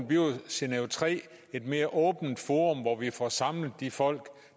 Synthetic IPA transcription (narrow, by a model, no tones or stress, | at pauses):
nb̥yoseneot͡sʰʁɛ̰ː | e̝d̥me̝ːɐʔɔ̽ːb̥n̩d̥fo̝ːʁɔ̽mʋɒʋifɒsɑ̈mləð̩ˠd̥ifɒ̽l̰ɡ̥